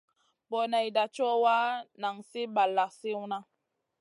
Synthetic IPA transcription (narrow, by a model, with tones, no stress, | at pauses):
bɔ˨na˨jda˨t͡ʃɔ˦wa˦na˨ŋsi˦ba˨lːa˨si˦wna˦